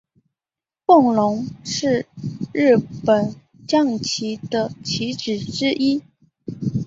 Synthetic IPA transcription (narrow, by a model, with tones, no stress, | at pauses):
pʊ˥˩ŋlʊ˧˥ŋʂɻ̩˥˧ɻɻ̩˥˩pə˨˩n | t͡ɕjɑ˥˩ŋt͡ɕʰi˧˥d̪ə˧t͡ɕʰi˧˥ʈ͡ʂɻ̩˨˩ʈ͡ʂɻ̩˥ʔi˥